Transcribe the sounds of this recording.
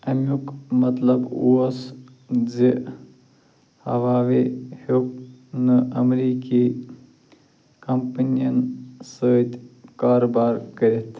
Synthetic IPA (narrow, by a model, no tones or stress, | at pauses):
ɐmjukmɐt̪lɐbuɐs | zi | hɐʋaːʋehok̚nɨʔɐmɾiːki | kɐmpɐnijɐnsəːt̪ʲkaːɾoːbaːɾkɐɾit̪ʰ